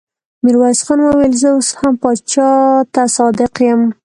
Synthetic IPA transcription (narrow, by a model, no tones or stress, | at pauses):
miɾwɑjɪsxɑnwəwelzəoshampɑt͡ʃɑt̪asɑd̪ɪqjəm